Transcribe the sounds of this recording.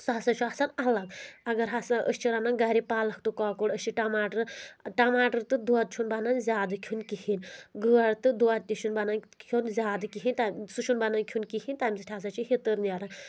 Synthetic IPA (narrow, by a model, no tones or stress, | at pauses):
sasat͡ʃʰuasanɐlɐɡɐɡɐɾɦasaʔəst͡ʃʰiɾananɡaɾipaːlɐk̚ʰt̪ukɔːkoɽəst͡ʃʰiʈɐmaːʈɨɾʈɐmaːʈɨɾt̪ɨd̪uad̪̚t͡ʃʰunbananzʲaːd̪ɨkʲʰunkihinʲɡɨwaɽt̪ɨd̪uad̪̚t̪ʲiʃunbanan | kʰunzʲaːd̪ɨkiɦinʲt̪asuʃʰunbanankʲʰunkihinʲt̪amʲisɨʈʰʲaːs̬at͡ʃʰihit̪ɨɾnjaɾa